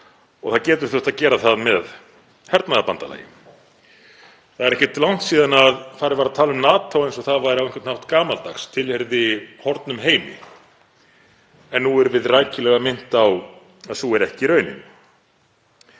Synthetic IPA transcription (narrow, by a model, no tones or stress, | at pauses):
ɔ̰θaðcɛːt̪ʏɾ̥θœht̪aðcɛːɾaθaðmɛð | hɛɾt̪naðapant̪ala̰ːjɪ̰m | θaðɛɾɛhcɪt̪lawn̥t̪siːðanaðfaːɾɪɾvaɾaðt̪ʰaːlʏmnaːt̪ʰːawejnsɔθaðvaɾɪɾawenkʰwɛnt̪nhawht̪kaːmalt̪a̰xst̪ʰɪlhɛɾðɪhɔɾt̪nʏmɦeːjmɪ̰ | ɛnːuɛɾvɪðrajcɪlɛɣamɪn̥t̪aw | aðsuɛɾɛhcɪɾœːɥnɪ̰n